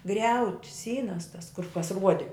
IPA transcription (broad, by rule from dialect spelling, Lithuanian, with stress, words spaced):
ˈɡrʲɛʊtʲɪ ˈsʲiːnɐs tɐs kʊr kɐs ˈruɔdʲɪ